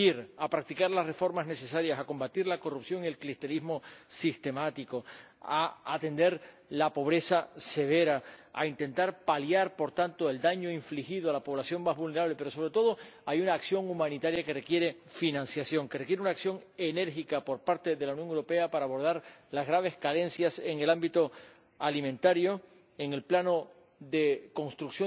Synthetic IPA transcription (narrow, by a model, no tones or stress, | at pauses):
iɾapɾak̚t̪ikaɾlasre̞fo̞ɾmazne̞se̞saɾjasako̞mbat̪iɾlako̞rupsjo̞ŋie̞lklist̪elizmo̞sist̪e̞mat̪iko̞ | aat̪e̞nd̪e̞ɾlapo̞β̞ɾe̞sase̞β̞e̞ɾaa̰int̪ent̪aɾpaljaɾpo̞ɾt̪ant̪oe̞ld̪aɲo̞iɱflixiðoalapo̞β̞lasjo̞ŋmazβulne̞ɾaβ̞lepe̞ɾo̞so̞β̞ɾe̞t̪o̞ðo̞ajunaːksjo̞ŋumãnit̪aɾjake̞re̞kje̞ɾe̞ | finãnsjasjo̞ŋkerekjeɾeunaːksjo̞ŋe̞ne̞ɾxikapo̞ɾpaɾt̪e̞ðe̞launjo̞ŋewɾo̞pe̞apaɾaːβo̞ɾð̞aɾlazɣɾaβ̞e̞skale̞nsjase̞ŋe̞lambit̪o̞ | alimẽnt̪aɾjo̞ | eŋe̞lplano̞ | ðe̞ko̞nst̪ɾuksjo